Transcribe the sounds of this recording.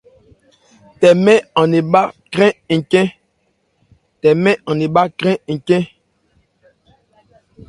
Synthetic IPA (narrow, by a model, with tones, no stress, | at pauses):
tɛ˨mɛ̃˦ɔ̃˨ne˨ɓa˦kɾɛ̃˦ŋ̩˨kɛ̃˦ | tɛ˨mɛ̃˦ɔ̃˨ne˨ɓa˦kɾɛ̃˦ŋ̩˨kɛ̃˦